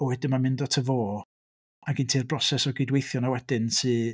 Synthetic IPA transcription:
ɔwɛdɪnmamɪndɔtʰəvoː | aɡintʰiːrbrɔsɛsɔɡɪdwejθjɔnawɛdɪnsɨː

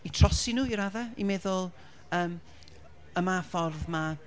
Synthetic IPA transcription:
itʰrɔsɪnuːiɾaðɛimɛðʊlˠ | əːm | əmafɔrvma

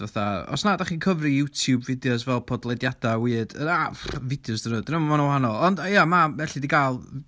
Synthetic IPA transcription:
vaθaɔ̰snadaχiːkʰəvrijutʰjubvɪdjɔs̬vɛlˠpʰɔdlˠɛdjad̥awɨːdənavɪdjɔsdənədənəmɔmanɔwhanɔlˠɔndajamavɛɬidiɡalˠ

